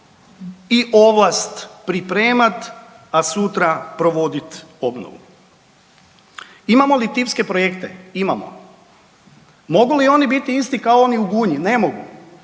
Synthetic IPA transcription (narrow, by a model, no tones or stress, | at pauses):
iʔoʋlˠast̪pɾipɾe̞ːmat̪ | asut̪ɾapɾo̞ʋo̞d̪it̪o̞bno̰ʋṵ | imamo̞lit̪ipske̞pɾo̞jekt̪eimamo̰ | mo̞ɡulio̞nibit̪iist̪ikaooniuɡuːɲine̞moɡṵ